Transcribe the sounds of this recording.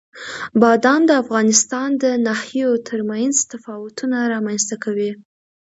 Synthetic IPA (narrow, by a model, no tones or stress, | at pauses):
bɑd̪ɑnd̪əafɣɑnɪst̪ɑnd̪ənahjot̪ʰəɾmajnzt̪afɑwʊt̪unaɾɑmanst̪akawi